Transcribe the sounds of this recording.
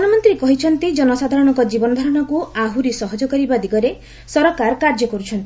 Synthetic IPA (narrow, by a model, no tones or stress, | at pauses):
ɔnɔmɔnt̪ɾikɔɦit͡ʃʰɔnt̪id͡ʒɔnɔsad̪ʱaɾɔɽ̃ɔŋkɔd͡ʒibɔnɔd̪ʱɔɾɔɽ̃ɔkuaɦuɾisɔɦɔd͡ʒɔkɔɾibad̪iɡɔɾe | sɔɾɔkaɾkaɾd͡ʒɔkɔɾut͡ʃʰɔnt̪i